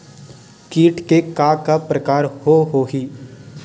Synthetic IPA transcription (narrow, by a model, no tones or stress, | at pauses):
kiːʈkekaːkapɾəkaːɾhoɦoːɦiː